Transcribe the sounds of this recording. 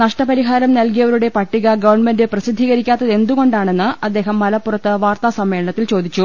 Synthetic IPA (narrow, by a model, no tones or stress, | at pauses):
nɐʂʈɐpɐɾiɦaːɾɐmnɐlkijɐʋɐɾuɽe̞pɐʈːiɣɐɡɐʋɐrɳme̞ndɨprɐsid̪ʱːiɣɐɾikʲːaːt̪ːɐðe̞nd̪uɣo̞ɳɖaːɳe̞nːɨɐd̪ːe̞ːɦɐmːɐlɐpːurɐt̪ːɨʋaːrt̪asɐmːe̞ːlɐɳɐt̪ːilt͡ɕo̞ːd̪it͡ɕːu